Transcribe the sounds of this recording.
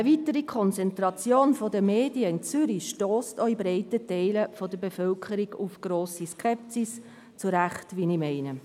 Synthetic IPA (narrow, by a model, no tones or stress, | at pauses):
əvitəɾikʰɔnt͡sɛntɾɑt͡sjoːnfɔdəmeːdiəɪnt͡syɾiʃtoːstɔibɾɛɪtətɛɪləfɔdəbefœlkʰəɾiɡufɡ̥ɾoːsiskʰɛp̚sis | t͡suɾæχtʋinimɛɪnə